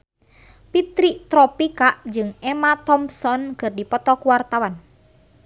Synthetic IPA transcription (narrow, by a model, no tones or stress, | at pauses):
pit̪ɾiʔt̪ɾɔpikaʔd͡ʒɨŋɛmat̪ɔmpsɔnɡɨrdipɔt̪ɔkuwart̪awan